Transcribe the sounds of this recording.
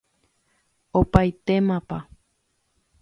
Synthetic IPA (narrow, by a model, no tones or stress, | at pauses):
opajt̪emãpa